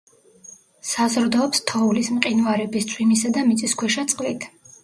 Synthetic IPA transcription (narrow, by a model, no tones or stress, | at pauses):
sazɾd̪ɔːpst̪ʰɔulismqʼinuaɾɛbist̪sʰʼwimisad̪amit̪sʼiskʰwɛʃat̪sʼqʼlit̪ʰ